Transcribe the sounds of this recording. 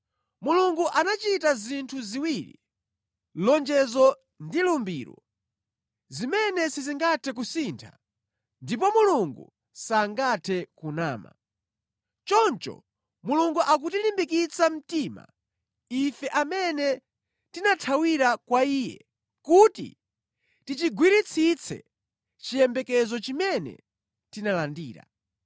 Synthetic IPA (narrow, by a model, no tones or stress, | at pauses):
muluŋɡuʔanat͡ʃitazintʰuziwiɾḭ | lɔnd͡ʒɛzɔ | ndilumbiːɾɔ̰ | zimɛnɛsiziŋɡatʰɛk̬usintʰa̰ | ndip̬ɔmuluŋɡṵ | saŋɡatʰɛkunaːma̰ | t͡ʃɔnt͡ʃɔ̰ | muluŋɡuʔak̬utilimbikit͡sʰam̩tiːma̰ | ifɛʔamɛnɛ | tinatʰawiɾakwaiːjɛ̰ | kutḭ | tit͡ʃiɡwiɾit͡sʰit͡sʰɛ̰ | t͡ʃijɛmbɛkɛzɔt͡ʃimɛnɛ̰ | tinalandiːɾa̰